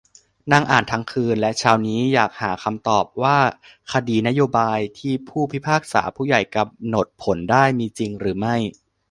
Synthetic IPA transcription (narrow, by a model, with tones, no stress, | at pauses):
naː˧ŋʔaː˨˩nt̪ʰa˧˥ŋkʰɯː˧nlɛ˦˥ʔt͡ɕʰaː˧˥wniː˦˥jaː˨˩k̚haː˩˦kʰa˧mt̪ɔː˨˩p̚waː˥˩ | kʰa˧diː˧na˦˥joː˧baː˧jt̪ʰiː˥˩pʰuː˥˩pʰi˦˥pʰaː˥˩k̚sa̰ː˩˦pʰuː˥˩ja˨˩jka˧mno˨˩t̪̚pʰo˩˦ndaː˥˩jmiː˧t͡ɕi˧ŋɾɯː˩˦ma˥˩j